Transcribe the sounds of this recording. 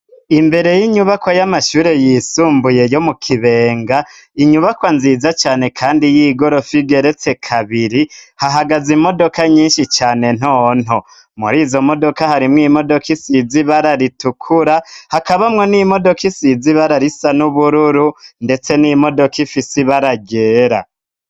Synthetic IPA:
imbe̞ɾe̞jiɲuβakojamaʃuːɾe̞jiːsuːmbuje̞jo̞mukʰiβe̞ːŋɡa | iɲuβakwanzizat͡ʃaːne̞kʰaːndijiːɡo̞ɾo̞fibɡe̞ɾe̞t͡se̞kʰaβiɾihaɦaɡazimo̞do̞kaɲiːnʃit͡ʃaːne̞n̥oːn̥ho̞ | mṵɾiːzo̞mo̞do̞kahaɾimŋiːmo̞do̞kisiziβaɾaɾitukʰuɾahakaβamŋe̞nimo̞do̞kisiziβaɾaɾisanuβuɾuɾunde̞t͡se̞nimo̞do̞kifisiβaɾaɡe̞ːɾa̰

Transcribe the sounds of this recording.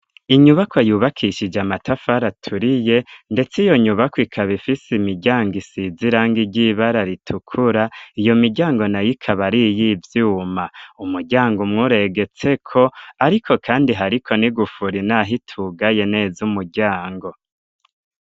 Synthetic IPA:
iɲuβakʰwajuːβakʰiʃid͡ʒamatʰafaɾatʰuɾije̞nde̞t͡sijo̞ɲuβakwikʰaβifisimiɟaːŋɡisiziɾaːŋɡiɟiβaɾaɾitʰukʰuɾaijo̞miɟaːŋɡo̞najikʰaβaɾijivjuːmaumuɾɟaːŋɡumŋuːɾe̞ɡe̞t͡se̞kʰo̞aɾikʰo̞kʰaːndiɦaɾikʰo̞niɡufuɾinaɦitʰuɡaje̞ne̞ːzumuɟaːŋɡo̞

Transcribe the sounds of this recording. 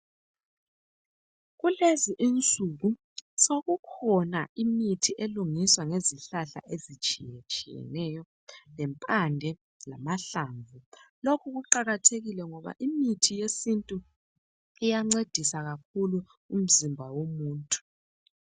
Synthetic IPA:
ɣuleziʔint͡sʼuɣu | soɣukʰɔnaimitʰiʔeluŋiswaŋeziɬaɬa̰ʔezit͡ʃʼijɛt͡ʃʼijɛ̰nɛjɔ | lɛmpʼandʱɛ | lamaɬaːɱvulokʰuɣuǃaɣatʰeɣilɛŋɔβa̰ʔimitʰijesintʼu | ijaŋ͡ǀed̥ʱisaɣakʰulu | um̩zimbʱawomuːntʼu̥

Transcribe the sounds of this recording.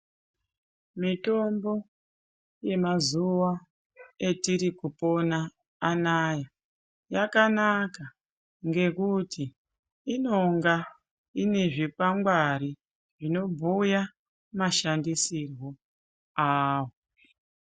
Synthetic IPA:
mito̞mbo̞ | je̞mazuwa | e̞tiɾikupo̞naː | naja | jakanaka | ŋɡe̞kutiː | no̞ŋɡa | ine̞ʐipaŋɡwaɾi | ʐino̞bʱuja | maʃandisirwo | aːwo

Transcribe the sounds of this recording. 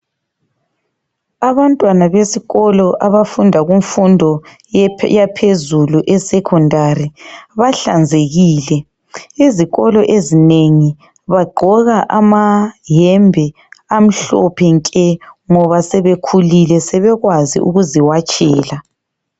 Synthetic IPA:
aβantʼwanaβesiɣɔlɔʔaβafundʱaɣuɱfundʱɔ | japʰezuluʔɛsɛkʰɔndʱaɾiβaɬa̰nd͡zʱeɣiːlɛ | iziɣɔlɔʔezineŋi | βaɡ͡ǃʱɔɣaʔamaɦɛmbʱɛ | am̩ɬɔ̰pʰɛŋkʼɛŋɔβasɛβekʰulilɛsɛβɛɣwazḭʔṵɣuziwat͡ʃʼɛːla

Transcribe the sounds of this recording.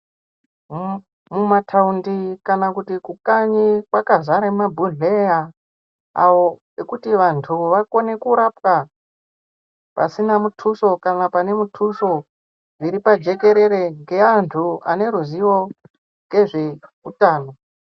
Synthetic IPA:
mumatʰaundikanakutikukaɲikwakazaɾemabʱuɮea | a̰ʋo̞ | ekutiʋantʰuʋako̞ne̞kuɾapwa | pa̰sinamutʰuso̞kanapane̞mutʰuso̞ | ʐiɾipad͡ʒe̞ke̞ɾe̞ɾe̞ŋɡe̞antʰua̰ne̞ɾuziwo̞ | ŋɡe̞ʐe̞kutaːno̞

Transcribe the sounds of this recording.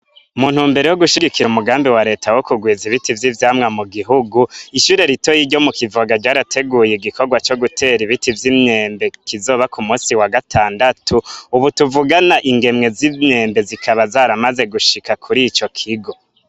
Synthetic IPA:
umuːn̥huːmbe̞ɾejo̞ɡuʃiɡikiɾumuɡaːmbiwaɾe̞ːtʰawo̞kuɡwiːziβitivjivjaːmŋamuɡiɦuɡuiʃuɾe̞ɾito̞jiːɟo̞mukivoɡaɟaːɾatʰe̞ɡuːjeɡiko̞ɡwat͡ʃo̞ɡutʰe̞ɾiβitivjimɲeːmbe̞kʰizo̞ːβakʰumuːsiwaɡatʰaːndatʰuːβutuvuɡanaʔiŋɡe̞mŋe̞zimɲe̞ːmbe̞zikʰaβazaːɾamaze̞ɡuʃikakʰuɾit͡ʃo̞kʰiɡo̞

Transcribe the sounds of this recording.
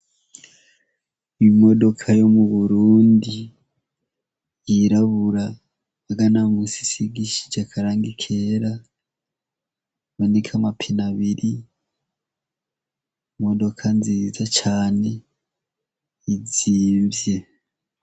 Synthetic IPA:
ijumo̞do̞kʰajo̞muβuɾuːndi | jiɾaβuɾaː | ɡanamusi̥siɡiʃi̥d͡ʒakʰaɾaːŋɡikʰeɾa | βonekʰamapʰinaβiɾi | mo̞do̞kʰanziːzat͡ʃaːne̞ | iziːmvje̞

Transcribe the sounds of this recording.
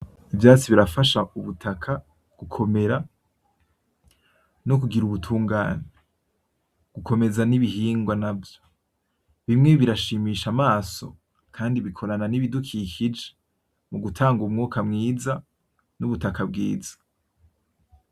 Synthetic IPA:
ivjaːt͡siβiɾafaʃauβutʰakʰa | ɡ̥ukʰo̞me̞ɾa | nok̬uɡiɾuβutʰuːŋɡaːne | ɡ̥ukʰo̞me̞zaniβihiːŋɡwanavjo̥ | βimŋe̞βiɾaʃiːmiːʃamaːso̞̰ | kʰaːndiβikʰo̞ɾananiβidukʰiːkid͡ʒe | muɡutʰaːŋɡumŋuːkamŋiːza | nuβutakabɡiːzḁ

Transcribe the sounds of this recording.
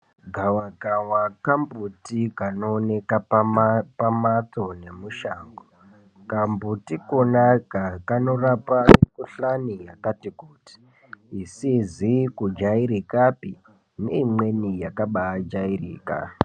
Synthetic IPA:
ɡʱawakawakambutikanoːne̞ka | pamat͡so̞ne̞muʃaːŋɡo | kambutikonakakano̞rapamikuɬanijakatikuːti̥ː | sizikud͡ʒaiɾikapi | ne̞imwe̞nijakaɓaːd͡ʒairiːka̰

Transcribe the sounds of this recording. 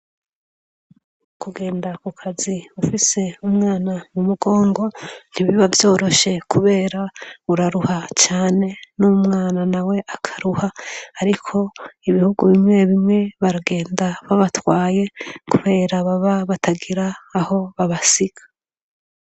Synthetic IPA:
kuɡe̞ːndakukʰaziufise̞umŋaːnamumuɡo̞ːŋɡo̞n̥hiβiβavjo̞ːɾo̞ʃe̞kʰuβe̞ːɾauɾaɾuhat͡ʃaːne̞numŋaːnanawe̞ʔakʰḁɾuhaːɾikʰo̞iβihuɡuβimŋe̞βimŋe̞βaɾaɡe̞ːndaβaβatwaːje̞kuβe̞ːɾaβaβaβatʰaɡiɾaːho̞βaβasiɡ̥ḁ

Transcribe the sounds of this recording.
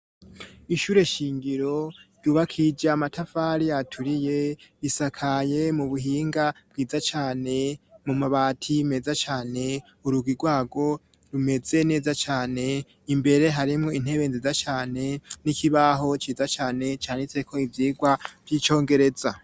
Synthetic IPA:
iʃuːɾe̞ʃiːŋɡiɾo̞juβakʰid͡ʒamatʰafaɾijatʰuɾije̞isakʰaje̞muβuɦiːŋɡab̥̚ɡiːzat͡ʃaːne̞mumaβaːtʰime̞zat͡ʃaːne̞ | uɾuɡwiɡwaːɡo̞ | ɾume̞ze̞ne̞ːzat͡ʃaːne̞ | imbe̞ɾe̞ɦaɾimŋo̞in̥he̞βe̞nzizat͡ʃaːne̞nikʰiβaɦo̞t͡ʃiːzat͡ʃaːne̞t͡ʃaːnit͡se̞kʰo̞ivjiːɡwav̥jiːt͡ʃo̞ːŋɡe̞ɾe̞za

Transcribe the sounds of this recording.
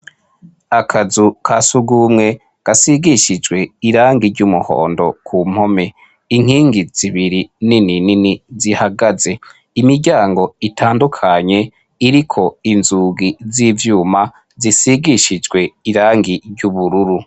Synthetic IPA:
akʰazukʰasuɡumŋe̞ | ɡ̥asiɡiʃid͡ʒɡwe̞iɾaːŋɡiɾɟumuho̰ːndo̞̰kʰuːm̥ho̞me̞ | iŋ̥hiːŋɡiz̥iβiɾininininizihaɡaze̞ | imiɾɟaːŋɡo̞itʰaːndukʰaɲe̞ | iɾikʰo̞inzuɡizivjuːma | zisiɡiʃid͡ʒɡwe̞iɾaːŋɡiɾɟuβuɾuɾu

